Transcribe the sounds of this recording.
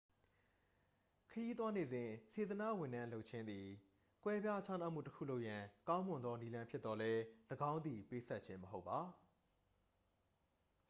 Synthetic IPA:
kʰə˨ji˦t̪̬wa˦ne˨zɪ̃˨se˨t̪əna̰˦˨wɪ̃˨ndã˦lo˦ʊʔt͡ɕʰɪ̃˦nd̪i˨ | kwɛ˦bja˦t͡ɕʰa˦na˦˨ʔm̥ṵ˦˨təkʰṵ˦˨lo˦ʊʔjã˨kã˦ʊ̃mʊ̃˨nd̪ðɔ˦ni˦lã˦mpʰjɪ˦t̪t̪ɔ˦lɛ˦ləɡã˦ʊ̃nd̪i˨pe˦sʰɛ˦t̚t͡ɕʰɪ̃˦məɦo˦ʊpːa˨

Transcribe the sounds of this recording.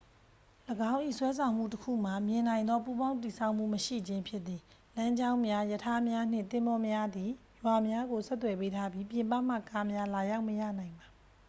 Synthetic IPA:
ləɡã˦ʊ̃ʔḭ˦˨swɛ˦s̬ʰã˨ʊ̃m̥ṵ˦˨təkʰṵ˦˨m̥a˨mjɪ̃˨nã˨ɪ̃nd̪ɔ˦pu˦bã˦ʊ̃t̪i˨sʰa˦ʊʔm̥ṵ˦˨məʃḭ˦˨d͡ʑɪ̃˦mpʰjɪ˦ʔ̪t̪i˨ | lã˦ɲd͡ʑã˦ʊ̃mja˦jətʰa˦mja˦n̥ɪ̰̃˦˨nt̪ɪ̃˦mbɔ˦mja˦d̪i˨ | jwa˨mja˦ɡo˨sʰɛ˦t̪̬ːwɛ˨pe˦tʰa˦bji˦pjɪ̃˨mpa˦˨m̥a̰˦˨ka˦mja˦la˨ja˦ʊʔməja̰˦˨nã˨ɪ̃mba˨

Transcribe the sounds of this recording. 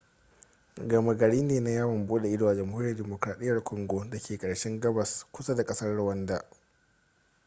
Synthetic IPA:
ɡɐ˨ma˨ɡɐ˨ɽiː˦neː˨na˦jaː˦wɐ˨mboː˦da˨ʔɪ˦doː˨ʔa˨d͡ʒɐ˨mhuː˦ɾi˦jɐ˨rdeː˨moː˨kɾaː˨ɗɪ˦jːɐ˨rkʷʰʊ˨ŋɡʷo˦da˨kʲʰeː˨kʼɐ˨ɽʃɛ˦ŋɡɐ˦bɐ˨skʷʊ˦sa˦da˨kʼɐ˦sɐ˦rɽʊ˦˨wɐ˦ndaː˨

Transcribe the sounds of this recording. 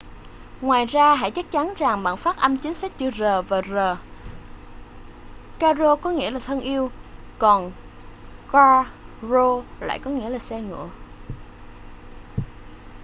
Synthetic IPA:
ŋwaː˨˩jzaː˧ɦa̰ː˧˥jt͡ɕa˦˥k̚t͡ɕa˨˦nza˨˩ŋɓa̰ː˧˨nfaː˦˥t̚ʔə˧mt͡ɕi˨˦ŋ̟sa˦˥k̚t͡ɕɨ̰˧˩zəː˨˩vaː˨˩zəː˨˩ | kaː˧zo˧kɔ˨˦ŋḭ˧˥laː˨˩t̪ʰə˧nʔi˧əw | kɔ˨˩n | kaː˧zo˧la̰ː˧˨jkɔ˨˦ŋḭ˧˥əlaː˨˩sɛ˧ŋɨ̰˧˨ə

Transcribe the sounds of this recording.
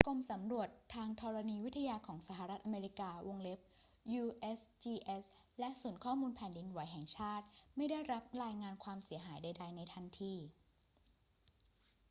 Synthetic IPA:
ko˧msa˩˦mɾu˨˩ət̪ʰːaː˧ŋt̪ʰɔː˧ɾa˧niː˧wi˦˥t̪ʰːa˧jaː˧kʰɔː˩˦ŋsa˧˩ɦa˨˩ɾa˦˥t̪̚ʔa˧meː˧ɾi˦˥kaː˧wo˧ŋle˦˥p̚ | juː˧ʔe˦˥st͡ɕiː˧ʔe˦˥slɛ˦˥ʔsuː˩˦nkʰɔː˥˩muː˧npʰɛː˩˦ndi˧nwa˨˦jɦɛ˨˩ŋt͡ɕʰaː˥˩t̪̚ma˥˩jda˥˩jɾa˦˥p̚ɾaː˧jŋaː˧nkʰwaː˧msi˨˩˦ɐɦaː˩˦jda˧jda˧jna˧jt̪ʰa˧nt̪ʰiː˧

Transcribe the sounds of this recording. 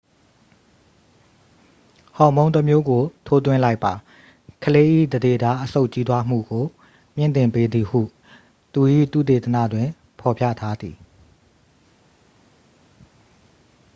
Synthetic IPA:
hɔ̃˨mõ˦ʊ̃nt̪ə˦mjo˦ɡo˨tʰo˦t̪̬wɪ̰̃˦˨la˦ɪpːa˨ | kʰəle˦ʔḭ˦˨d̪əde˦˨da˦ʔəso˦ʊʔt͡ɕi˦t̪wa˦m̥ṵ˦˨ɡo˨ | m̥jɪ̰̃˦˨nt̪ɪ̃˨mpe˦d̪ði˨hṵ˦˨ | t̪u˨ʔḭ˦˨t̪ṵ˦˨t̪e˨t̪ə˨nä̰˦˨dwɪ̃˨ | pʰɔ˨pʰja̰˦˨tʰa˦d̪i˨

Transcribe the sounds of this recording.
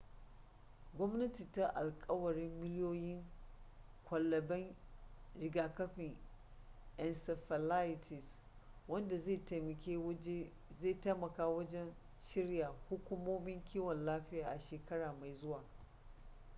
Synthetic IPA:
ɡʷɔ˦mnɐ˦ti˨ta˦ʔa˨lkʼɐ˦wɐ˨ɽɪ˦mːɪ˦ljoː˦jɪ˦ŋ | kʷʰɐ˨lːɐ˨bɛ˦ŋɾɪ˨ɡaː˨kɐ˦ɸɪ˨ŋ | ʔɛ˨nsɛ˨ɸɐ˨la˦jɪ˨tʰi˨s | wɐ˦nda˨zta˨mɐ˨kʲe˦ | zeː˦˨ta˦mɐ˨kaː˦wɐ˦d͡ʒɛ˦n | ʃɪ˦ɽjaː˨hʊ˦kʷʊ˦moː˦mɪ˦ŋkʲʰiː˦wɔ˨nlaː˦ɸɪ˦jaː˨ʔa˨ʃeː˨kɐ˦ɽaː˨ma˨jzʊ˦waː˨

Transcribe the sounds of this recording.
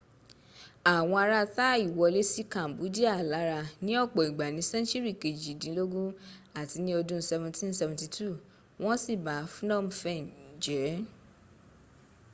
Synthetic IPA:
a˨w̃ɔ̃˧a˧ɾa˧ta˦i˦˨wɔ˧le˦si˦kã˨m˨bu˨˦di˦a˦˨la˨˦ɾa˧nĩ˦ɔ˦˨k͡pɔ˨i˨ɡ͡ba˨nĩ˨˦sɛ̃˦t͡ʃi˦ɾi˦˨ke˨d͡ʒi˨dĩ˨˦lo˦ɡũ˦ | a˦˨ti˧nĩ˦o˧dũ˦sɛ˧vũ˧tĩ˦n˦sɛ˧vũ˧ti˧tu˦˨ | w̃ɔ̃˦si˦˨ba˨˦fũ˦nɔ̃˦˨m̩˦fɛ˦˨n̩˨d͡ʒɛ˨˦

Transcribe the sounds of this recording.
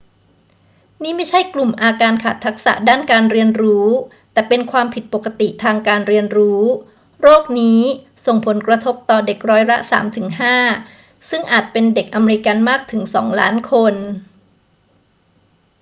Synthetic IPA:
niː˦˥˩ma˥˩jt͡ɕʰa˥˩jklu˨˩mʔaː˧kaː˧nkʰaː˨˩t̪ʰːa˦˥k̚sa̰˨˩ʔdaː˥˩nkaː˧nɾi˧ənɾuː˦˥ | t̪ɛː˨˩pe˧nkʰwaː˧mpʰi˨˩t̪̚po˨˩ka˧t̪i˨˩ʔt̪ʰaː˧ŋkaː˧nɾi˧ənɾuː˦˥ | ɾoː˥˩k̚niː˦˥ | so˨˩ŋpʰo˩˦nkɾa˧t̪ʰo˦˥p̚t̪ɔː˨˩de˨˩k̚ɾɔː˦˥jla̰˦˥ʔsa̰ː˩˦mt̪ʰɯ˩˦ŋɦaː˥˩ | sɯ˥˩ŋʔaː˨˩t̪̚pe˧nde˨˩k̚ʔa˧me˧ɾi˧ka˧nmaː˥˩k̚t̪ʰɯ˩˦ŋsɔ̰ː˩˦ŋla̰ː˦˥nkʰo˧n

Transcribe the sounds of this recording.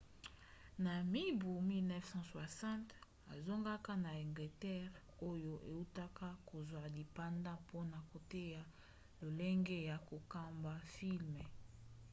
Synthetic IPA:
na˨mi˦bu˨mi˦lnɛ˦fsɑ̃˦swa˨sã˦nt | a˨zo˦ŋɡa˦ka˦na˨ɛ˨ŋɡle˨tɛ˦ʁ | o˦jo˦ʔe˨u˦ta˦ka˦ko˨zwa˨di˨pa˦nda˦po˦na˨ko˨te˦ja˦ | lo˨le˦ŋɡe˦ja˨ko˨ka˦mba˨fi˦lmɛ˨

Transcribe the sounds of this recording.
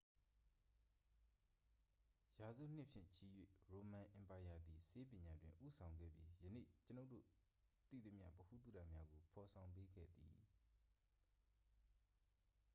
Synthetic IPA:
ja˨zṵ˦˨n̥ɪ˦ʔpʰjɪ̰̃˦˨t͡ɕʰi˦˨jwḛ˦˨ɹo˨mã˨ʔɪ̃˨mpa˨ja˨d̪i˨sʰe˦pjɪ̃˨ɲa˨dwɪ̃˨ʔu˦˨sʰã˨ʊ̃ŋɡɛ̰˦˨bji˦jənḛ˦˨t͡ɕəno˦ʊʔtːdo̰˦˨ | t̪ḭ˦˨ṵ˦˨mjä̰˦˨bəhṵ˦˨t̪ṵ˦˨da̰˦˨mja˦ɡo˨pʰɔ˨sʰã˨ʊ̃mp̬e˦ɡɛ̰˦˨d̪ḭ˨

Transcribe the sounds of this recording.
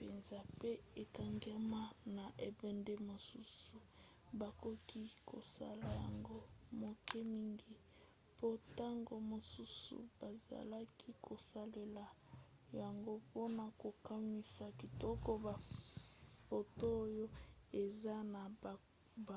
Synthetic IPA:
pe˨nza˦pe˦e˨ka˨ŋɡɛ˦ma˦na˨ʔe˨bɛ˨nde˦mo˨su˦su˨ | ba˨ko˦ki˦kʰo̰˨sa̰˦la˨ja˨ŋɡo˦mo˨kɛ˦mi˦ŋɡi˦ | po˦ta˦ŋɡo˨mo˨su˦sṵ˨b̥a˨za̰˨la˦kʰi˦kʰo˨sa˦le˨la˨ | ja˨ŋɡo˦po˦na˨ko˨ka˦mi˦sa˨ki˨tɔ˦ko˦ba˨ | fo˨to˦jo˦e˨za˦na˨ | b

